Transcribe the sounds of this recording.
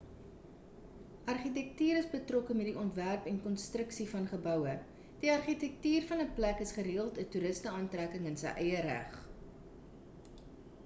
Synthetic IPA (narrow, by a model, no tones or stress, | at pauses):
ʔɐrχit̬ɛk̚tyːɾəsbətrɔkəmɛtdiʔɔntværpɛnkɔnstɾəksifɐnχəbœwə | d̥iɐrχitɛk̚tyːrfɐnəplækəsχəɾiːəlˠtətuɾəstəɑːntrækəŋənsə̰jʔɛjəɾæ̰χ